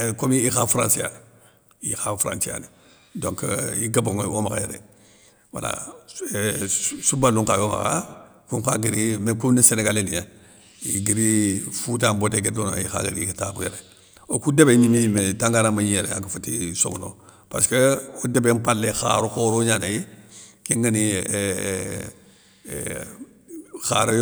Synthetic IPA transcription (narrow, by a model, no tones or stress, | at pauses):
komiixafɾa̰nsija̰n | jḭxafɾa̰nsija̰ni | doŋkḭɡaboŋomaka̰jḛɾḛ | wa̰la̰ | subalːuŋkajoma̰ka̰kuŋkaɡiɾimkuniseneɡalenija | iɡiɾifut̬amboteɡedona̰jixa̰ɡḭɾḭkitakujeɾe | okudebenimimetaŋɡanamaɲijeɾḛa̰kafutiso̰ɡuno̰ | paskeodebempalːexa̰ɾukoːɾoɲanajikiŋɡani | xa̰ɾj